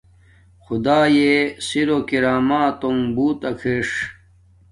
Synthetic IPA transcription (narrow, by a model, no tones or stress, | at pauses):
xud̪aːjesiɾokiɾaːmaːt̪oŋbuːt̪ɐkʰeʂ